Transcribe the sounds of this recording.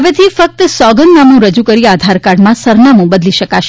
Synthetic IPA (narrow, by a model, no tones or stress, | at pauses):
əʋet̪ʰifək̚t̪əsɔɡənːamnũɾəd͡ʒukəɾiad̪ʱaɾkaɽmãsəɾnamũbəd̪liʃəkaʃ